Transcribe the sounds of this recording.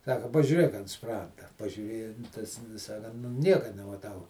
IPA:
ˈsɑːkɐ pɐʒʲuːˈrʲeːk ɐnt ˈsprɐndɐ pɐʒʲuːˈrʲeːjɛ tɐs ˈʋʲɪs ɐ kɐn nʊ ˈnʲiɛkɐ nʲɛmɐˈtɐʊ

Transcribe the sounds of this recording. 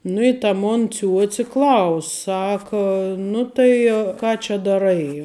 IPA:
ˈnʊ ɪ tɐ ˈmoːn ˈt͡sʲuɔt͡sʲɪ ˈklˠɐʊsʲ ˈsɑːkɐ nʊ tɐɪ ˈkɑː t͡ʃʲɛ dɐˈrɐɪ

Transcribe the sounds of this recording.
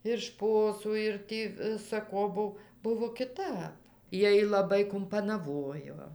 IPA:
ɪr ˈʃpoːsuː ɪr ˈtʲiː ʋʲɪsɐ ˈkoː ˈbʊw ˈbʊʋoː kʲɪˈtɐp ˈjiɛj lˠɐˈbɐɪ kʊmpɐnɐˈʋoːjoː

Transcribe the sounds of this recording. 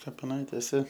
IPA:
kɐpʲɪˈnɐɪtʲeːsʲɛ

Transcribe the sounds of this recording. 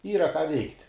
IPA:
ˈiːrɐ kɑː ʋʲɛɪktʲ

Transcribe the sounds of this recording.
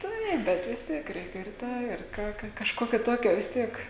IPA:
ˈtɐɪp ˈbʲɛt ʋʲɪs ˈtʲiɛk ˈrʲɛɪkʲɛ ɪr ˈtɑː ɪr ˈkɑː ˈkɐ kɐʃˈkoːkʲoː ˈtoːkʲoː ʋʲɪs ˈtʲiɛk

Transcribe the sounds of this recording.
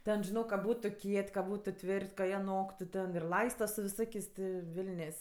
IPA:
ˈtʲɛn ʒʲɪˈnoːk kɐ ˈbuːtʊ ˈkʲiɛtʲ kɐ ˈbuːtʊ ˈtʲʋʲɪrʲtʲ kɐ ˈjiɛ ˈnoːktʊ tʲɛn ɪr ˈlˠɐɪstɐ sʊ ʋʲɪˈsoːkʲeːsʲ tʲɪ ˈʋʲɪlʲnʲeːsʲ

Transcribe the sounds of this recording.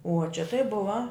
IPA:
uɔ t͡ʃʲɛ tɐɪ ˈbʊʋɐ

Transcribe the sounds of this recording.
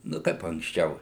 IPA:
ˈnʊ ˈkɐɪp ɐŋksʲˈt͡ʃʲɛʊ

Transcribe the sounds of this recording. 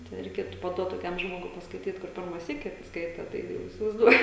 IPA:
tʲɛn rʲɛɪˈkʲeːtʊ pɐˈduɔt toːˈkʲɛm ˈʒmoːɡʊɪ pɐskɐɪˈtʲiːt kʊr ˈpʲɪrmɐ ˈsʲiːkʲɪ ˈskɐɪtɐ tɐɪ ˈjɛʊ iːsʲɪʋɐɪzˈduɔjʊ

